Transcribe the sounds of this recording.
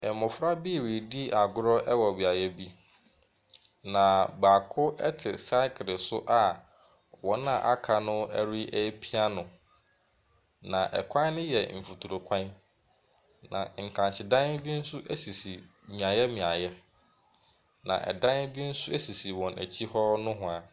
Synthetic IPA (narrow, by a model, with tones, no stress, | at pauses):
ɛ˨mʊ̃˨fɾa˦bi˦˨we˨di˦ʔa˨ɡʊ˦ɾɔ˦ʔɛ˦wɔ˨bi˨a˨jɛ˦bi˦ | nã˨baː˨kʰʊ˦ɛ̰˦tʰɪ˨sa˦kʰɾɪ˨sʊ˦ʔa˨ | wɔ̃˨nã˨ʔa˦kʰa˨nʊ̃˦æ˦ɾi˦ʔɛ˦pʰi˦a˦nʊ̃˨ | nã˨ʔɛ̰˨kʷʰã˦n˦nɪ̃˦jɛ˨m̩˨fu˨tʰu˨ɾo˨kʷʰã˦n | nã̰˨ŋ̩˨kʰã˨ɲt͡ɕʰɪ˨dã˦n˦bi˦n̩˦sʊ˦ʔæ˦si˨si˨ | mĩ˨a˨jɛ˦mĩ˨a˨jɛ˦ | nã̰˨ʔɛ̰˨dã˦n˦bi˦n̩˦sʊ˦æ˦si˨si˨wɔ̃˨næ̰˨t͡ɕʰi˦hɔ˦nʊ̃˦ɦʊ̃˨a˨